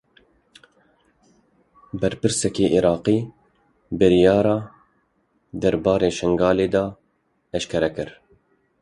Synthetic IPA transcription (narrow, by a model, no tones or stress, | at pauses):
bɛɾpɨɾsɛkeːʔiɾɑːqiː | bɨɾijɑːɾɑː | d̪ɛɾbɑːɾeːʃɛŋɡɑːleːd̪ɑː | ɛʃkʰɛɾɛkɨɾ